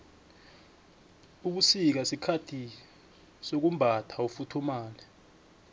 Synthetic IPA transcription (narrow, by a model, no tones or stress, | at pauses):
uɓ̬usik̬asikʰatʰi | sok̬umbʱatʰaufutʰumaːlɛ